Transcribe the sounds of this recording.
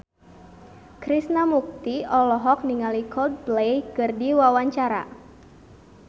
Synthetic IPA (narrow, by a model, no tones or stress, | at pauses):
kɾisnamuk̚t̪iɔlɔɦɔk̚niŋalikʰɔld̪̚blejkɨrdiwawaɲt͡ʃaɾa̰